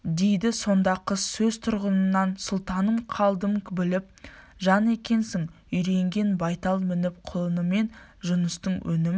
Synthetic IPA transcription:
d̪e̞jd̪ɪso̞nd̪ɑqəsɵzt̪ʰʊɾʁənənːɑnsʊlˠt̪ɑnəmqʰɑlˠd̪əmkbɪlɪp̚ | ʒɑne̞kʲe̞nsɪŋ | ʏjɾe̞ŋɡʲe̞nbɑjt̪ɑlˠmɪnɪp̚qʰʊlˠənəme̞nʒʊnəst̪əɴwʔɵnɪmɪ

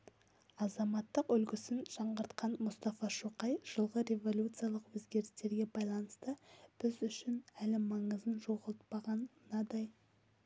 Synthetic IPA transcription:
ɑzɑmɑt̪ːəqʏlkʲɪsɪnʒ̥ɑɴʁəɾt̪qɑnmʊst̪ɑfɑʃuqɑjʒ̥əlˠʁəɾe̞vo̞lʲjut̪sɨjalˠəqwɵzɡʲe̞ɾɪst̪e̞ɾɡʲe̞bɑjlˠɑnəst̪əb̥ɪzʏʃɪnælɪmɑɴəzənʒo̞ʁəlˠt̪̚pɑʁɑnːɑd̪ɑj

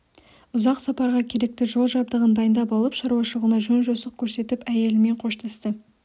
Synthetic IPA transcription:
ʊzɑqsɑpɑɾʁɑkʲʰe̞ɾe̞k̚t̪ɪʒo̞lˠʒɑb̚d̪əʁənd̪ɑjənd̪ɑpɑlˠəpʃɑɾuwɑʃəlˠʁunɑʒɵnʒosəq̚kʲʰɵɾse̞t̪ɪpæje̞lɪme̞ɴqʰo̞ʃt̪ʰɑst̪ə

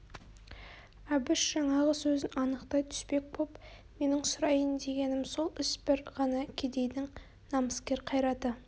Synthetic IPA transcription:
æbɪʃʒ̥ɑɴɑʁəsɵzɪnʔɑnəqt̪ɑjt̪ʰʏ̥spe̞k̚kʰop | me̞nɪŋsʊɾɑjənd̪e̞ɡʲe̞nɪmso̞lˠɪsbɪɾʁɑnɑkʲʰed̪e̞jd̪ɪŋ | nɑməskʲe̞ɾqʰɑjɾɑd̪ə

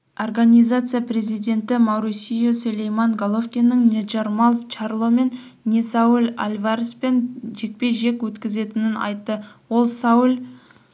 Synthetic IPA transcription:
orɡanʲijzat̪sɨjapre̞zijd̪e̞nt̪ɪmɑwɾusijosɵlejmɑŋɡolˠofkʲinːəŋnʲeʒɑɾmɑlˠt͡ʃarlˠome̞n | nʲesɑwɪla̰lʲvaɾespe̞nʒe̞k̚pe̞ʒe̞kwɵt̪kʲɪze̞t̪ɪnɪnɑ̰jt̪ːəwolˠsɑwɪl

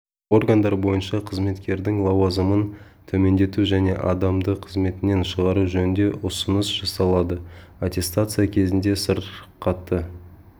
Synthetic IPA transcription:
o̞rɡand̪ɑɾbo̞jənʃɑqʰəzme̞t̪kʲe̞ɾd̪ɪŋlˠɑwɑzəmən | t̪ʰɵme̞nd̪e̞t̪uʒæne̞̰ʔɑ̰d̪ɑmd̪əqʰəzme̞t̪ɪne̞nʃəʁɑɾuʒɵnɪnd̪e̞ʔʊsənəsʒ̥ɑsɑlˠɑd̪ə | at̪ʲe̞st̪at̪sɨjakʲʰe̞zɪnd̪e̞səɾqʰɑt̪ːə

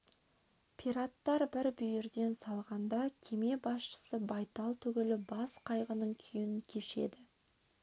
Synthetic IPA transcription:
pʰiɾat̪ːɑɾbɪɾbʏjɪɾd̪e̞nsɑlˠʁɑnd̪ɑkʲʰe̞me̞bɑsʃə̥səbɑjt̪ɑlˠt̪ʰʏɡʲɪlɪbɑsqʰɑjʁənəɴkʲʰʏjɪnkʲʰe̞ʃe̞̰d̪ɪ

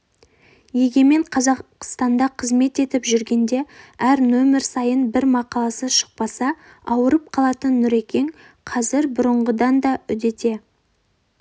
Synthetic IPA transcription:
je̞ɡʲe̞me̞ɴqʰɑzɑqst̪ɑnd̪ɑqʰəzme̞t̪e̞t̪ɪpʒʏɾɡʲe̞nd̪e̞æɾnɵmɪɾsɑjənbɪɾmɑqɑlˠɑsəʃə̥q̚pɑsɑ | ɑwəɾəp̚qʰɑlˠɑt̪ənːʏɾe̞kʲe̞ŋ | qʰɑzɪɾbʊɾəɴʁəd̪ɑnd̪ɑʏd̪e̞t̪e̞

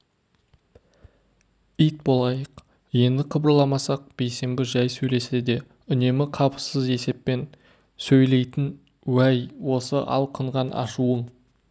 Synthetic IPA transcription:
ijt̪̚bo̞lˠɑjəq | je̞nd̪ɪqʰəbəɾlˠɑmɑsɑq̚b̥e̞jse̞mbɪʒɑjsɵjle̞se̞d̪e̞ | ʏne̞mɪqʰɑpə̥səze̞se̞pːe̞n | sɵjle̞jt̪ɪn | wæjwo̞səʔɑ̰lˠqʰəɴʁɑnʔɑ̰ʃuəɴ

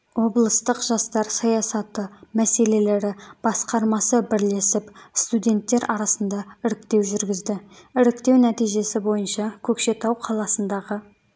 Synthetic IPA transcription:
wo̞blˠəst̪əqʒ̥ɑst̪ɑɾsɑjɑsɑt̪əmæse̞le̞le̞ɾɪb̥ɑsqɑɾmɑsəbɪɾle̞sɪpst̪ud̪ʲe̞nt̪ːe̞ɾɑɾɑsənd̪ɑɪɾɪkt̪e̞wʒʏɾɡʲɪzd̪ɪɪɾɪkt̪e̞wnæt̪ijʒe̞sɪbo̞jənʃɑkʲʰɵkʃe̞t̪ɑwqʰɑlˠɑsənd̪ɑʁə

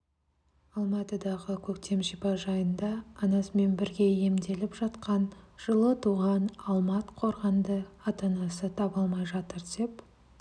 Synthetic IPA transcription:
ɑlˠmɑt̪əd̪ɑʁəkʲʰɵkt̪e̞mʒijbɑʒɑjənd̪ɑːnɑsəme̞nbɪɾɡʲe̞je̞md̪e̞lɪpʒɑt̪qɑnʒ̥əlˠət̪ʰuʁɑnɑlˠmɑt̪qʰo̞ɾʁɑnd̪əɑt̪ɑnɑsət̪ʰɑbɑlˠmɑjʒɑt̪əɾd̪e̞p

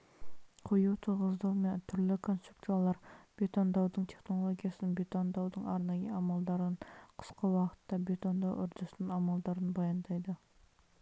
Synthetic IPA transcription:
qʰojut̪ʰuʁəzd̪ɑwment̪ʰʏɾlɪkʰonst̪ɾuk̚t̪ujɑlˠɑɾb̥et̪ond̪ɑwd̪ɨɴt̪ʰeχnolˠoɡʲijɑsɪnbet̪ond̪ɑwd̪əŋɑɾnɑjəʔɑmɑlˠd̪ɑɾənqʰə̥sqɑwɑqə̥t̪ːɑbet̪ond̪ɑwʔʊɾd̪ʊsnɨnɑmɑlˠd̪ɑɾənbɑjɑnd̪ɑjd̪ɨ

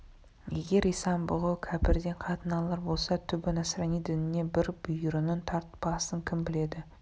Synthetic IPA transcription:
je̞ɡʲe̞ɾisɑmbʊʁəkʲʰæpɪɾd̪e̞ɴqʰɑt̪ənɑlˠɑɾbo̞lˠsɑt̪ʰʏbɪnæsɾɑnijd̪ɪnɪne̞bɪɾb̥ʏjɾɪnɪnt̪ʰɑɾt̪pɑsəŋkʲʰɪmbɪle̞d̪ɪ

